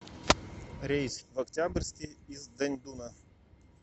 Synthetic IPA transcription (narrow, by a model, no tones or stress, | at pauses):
ɾʲejsʲvɐktʲabrʲsʲkʲɪizd̪ɐnʲd̪unə